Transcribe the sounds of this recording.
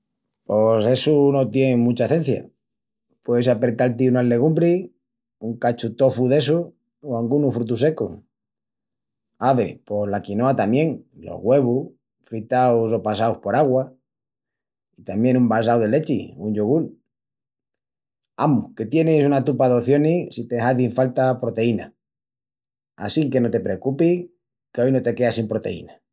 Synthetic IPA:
po̞se̞suno̞t̪je̞nemũt͡ʃaθẽ̞n̟θja̰ | pweðesapɾe̞t̪alt̪̬iunale̞ɣ̞umbɾe | uŋkat͡ʃut̪o̞fuðe̞su | oaŋɡunufɾut̪̬us̬e̞ko | aβe̞̰po̞slakino̞at̪amje̞ŋlo̰ɣwe̞βu | fɾit̪awso̞pas̬awhpo̞ɾaɣwa | it̪amje̞numbas̬awðe̞le̞t͡ʃiuɲd͡ʒoɣ̞ul | amuke̞t̪je̞nesunat̪upaðo̞θjo̞nisit̪ehaðiɱfalt̪apɾo̞t̪e̞ina̰ | a̰sike̞not̪e̞pɾekupi | keo̞jno̞t̪e̞ke̞asimpɾo̞t̪e̞̰ḭna

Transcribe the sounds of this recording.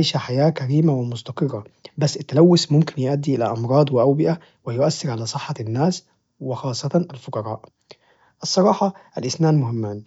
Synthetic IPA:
ejʃæħajæːkæɾiːmawɪmʊst̪ɑqɨrˤːɑbæsːʔɪt̪ːælæwːʊsmʊmkɪnjeʔæd̪ːiʔɪlæ̰ʔɑmɾˤɑːd̪ˤwɪʔæwbɪʔæ | wɪjʊʔæsːɑɾʕalæːsˤɨħːɑnːaːs | wɪxɑːsˤːɑt̪ɑʔalfoqɑɾˤɑːʔ | ʔɑsˤːɑɾˤɑːħɑʔælʔɪsnaːnmʊhɪmːaːn

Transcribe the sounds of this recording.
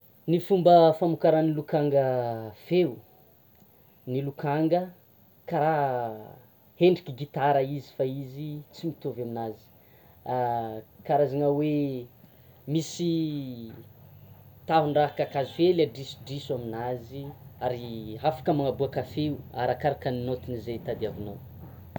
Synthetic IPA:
nifumbəfamukaɾanilukaŋɡəfeu | nilukaŋɡə | kaɾa | heɳɖ͡ʐikiɡit̪aɾaizi̥faizit͡simit̪ovaminazi̥ | kaɾazanawe | misi | t̪aɦuɳɖ͡ʐaɦakakazufelaɖ͡ʐisu̥ɖ͡ʐisaminaziaɾiɦafḁkəmaŋabuakafeua̰ɾakaɾakəninot̪inizet̪ad̪iavinaw

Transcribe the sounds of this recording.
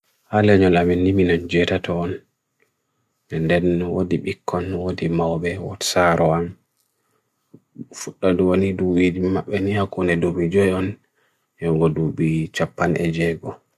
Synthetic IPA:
halɛɲɔlamɛnːiminand͡ʒɛtatɔːn | ɛndɛnwo̰diɓikʰːɔnwodimawɓɛwɔsaɾɔam | fuɗːaduwoniduwidimaɓːɛnihakːunɛdomid͡ʒɔjɔn | jɔŋɡɔduɓit͡ʃapːanɛ̰d͡ʒɛɡɔ

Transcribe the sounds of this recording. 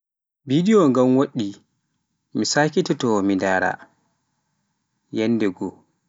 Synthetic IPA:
bidiɔŋɡamwoɗːi | misaːkitɛtɔmindaːɾa̰ | jɛnːdɛɡɔ

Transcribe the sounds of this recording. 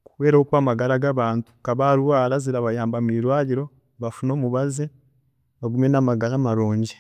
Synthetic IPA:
ku̥we̞ːɾahokwamaɡaɾaɡaβaːntu̥kaβaɾuwaɾaziɾaβajaːmbamiɾwaːɾiɾo̞ | βafuno̞ːmuβazi | βaɡumjenamaɡaɾamaɾoːɲɟi

